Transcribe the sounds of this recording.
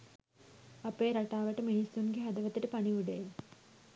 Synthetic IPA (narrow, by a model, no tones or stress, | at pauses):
ɐpeːɾɐʈaːʋɐʈɨminisunɡeɦɐd̪ɐʋɐt̪ːiʈəpɐniʋuɖej